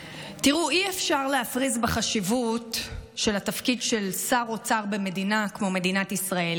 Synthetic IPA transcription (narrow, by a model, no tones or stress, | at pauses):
tiʁuʔiefʃaʁleafʁizbeχaʃivutʃe̞latafkidʃe̞lsaʁo̞t͡saʁbe̞me̞dinakmo̞me̞dinatisʁael